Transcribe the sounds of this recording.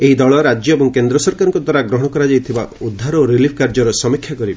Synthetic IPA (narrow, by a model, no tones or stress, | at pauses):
eɦid̪ɔɭɔɾad͡ʒjɔebɔŋkend̪ɾɔsɔɾkaɾɔ̃ŋkɔd̪ʱwaɾaɡɾɔɦɔɽ̃ɔkɔɾad͡ʒajt̪ʰiba̰ud̪ʱːaɾɔɾilipʰkaɾd͡ʒɔɾɔsɔmikʰːjakɔɾibe